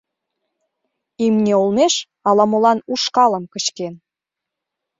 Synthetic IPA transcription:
imnʲeolmeʃ | ɑlɑmolɑnuʃkɑlə̆mkət͡ɕken

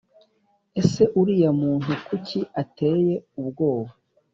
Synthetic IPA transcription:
e̞se̞ʔuɾijamuːntukucʰiate̞ːje̞ubɡo̞ːβa

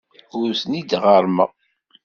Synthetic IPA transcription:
ʊɾθnid̪ʁəɾˤmə̰ʁ

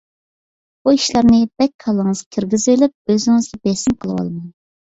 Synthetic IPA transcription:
buiʃlˠɑɾnɨb̥ɛkʲʰɑlˠːəŋɨzkʲʰiɾɡʲizelyp̚øzɪŋɨzɡʲɛbɛsɪmqʰəlˠɨwɑ̰lˠmɑn

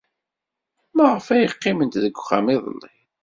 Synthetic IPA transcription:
mæʁəfæjəqːɪmənt̪ðəɡʷːχa̰miðˤə̰lːi

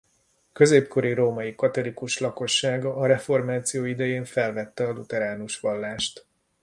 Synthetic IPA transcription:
kø̞zeːpko̞ɾiɾoːmɒjikɒt̪o̞likuʃlɒko̞ʃːaːɡɒʔːɾɛfo̞rmaːt̪sijoːid̪ɛjeːɱfɛlvɛt̪ːɛɒlut̪ɛɾaːnuʃʋɒlːaːʃt̪

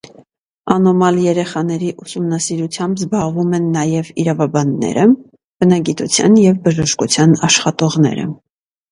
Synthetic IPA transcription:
ɑnɔmɑljɛɾɛχɑn̪ɛɾiʔusumnɑsiɾut͡sʰjɑmbzbɑʁvumɛnːɑjɛviɾɑvɑbɑnːɛ̰ɾə | b̥ənɑɡit̪ut͡sʰjɑnjɛvbəʒəʃkut͡sʰjɑnɑʃχɑt̪ɔʁnɛ̰ɾə̰

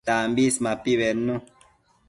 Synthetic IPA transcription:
ambismapiβɛnːũ

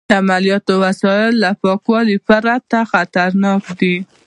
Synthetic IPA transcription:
d̪əamalijɑt̪owasɑjɪlːapɑkwɑlipəɾat̪axat̪aɾnɑkd̪i

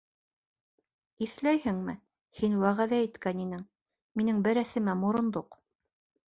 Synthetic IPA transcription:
iθlæjhɘŋmɘ | hinwæʁæðæit̪kæninɘŋ | minɘŋbɘɾæsɘ̆mæmŏɾŏnd̪oq

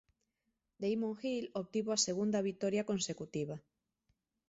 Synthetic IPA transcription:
d̪ejmõŋxiloβ̚t̪iβoaseɣund̪aβ̞it̪oɾjakonsekut̪iβ̞a

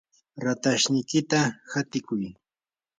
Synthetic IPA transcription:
ɾat̪aʃnɪjkɪt̪ahat̪ɪkʊj

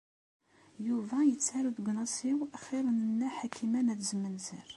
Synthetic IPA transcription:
juvæjət͡sːaɾuðɡʷnɑsiwæχiɾˤənənːæħakʰimænæðzəmːənzəɾ

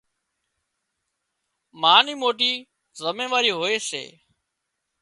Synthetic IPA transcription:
maːniːmoːʈiː | zəmẽːʋaːɾiːɦoːeːsḛː

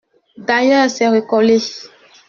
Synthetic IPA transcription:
dajasɛɾekɔle

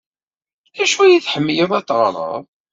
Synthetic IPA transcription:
æʃuæjiθħəmːjəðˤɑt̪ːʁɾˤɑ̰ðˤ

